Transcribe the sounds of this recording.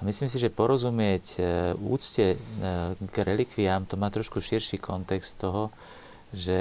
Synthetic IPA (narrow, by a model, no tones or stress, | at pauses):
amisliːms̬iʒɛpɔɾɔzumɪɛcṵːt͡scɛ | ɡɾɛlikʋiamt̪ɔmaːt̪ɾɔʃkuʃiɾʃiːkʰɔnt̪ɛkst̪t̪ɔɦɔ | ʒɛ